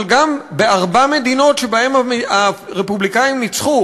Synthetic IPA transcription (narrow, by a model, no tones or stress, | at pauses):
lɡambe̞aʁbame̞d̪ino̞tʃe̞bahe̞maaʁepublikaimnit͡sχu